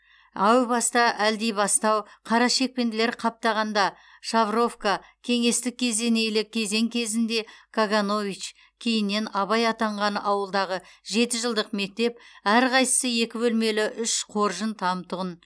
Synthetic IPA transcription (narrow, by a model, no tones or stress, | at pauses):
ɑwbɑst̪ɑʔæld̪ejbɑst̪ɑwqʰɑɾɑʃe̞k̚pe̞nd̪ɪle̞ɾqʰɑp̚t̪ɑʁɑnd̪ɑ | ʃavro̞fkakʲʰe̞ŋe̞st̪ɪk̚ʲʰːe̞zd̪e̞ne̞jlɪkʲʰe̞ze̞ŋkʲʰe̞zɪnd̪e̞kʰaɡano̞vit͡ʃ | kʲʰe̞jɪnːe̞nɑβɑjɑt̪ɑɴʁɑnɑwəlˠd̪ɑʁəʒe̞t̪ɪʒəlˠd̪əqme̞k̚t̪e̞p̚æɾqʰɑjsə̥səje̞kʲɪbɵlme̞lɪʔʏʃqʰo̞ɾʒənt̪ʰɑmt̪ʰʊʁən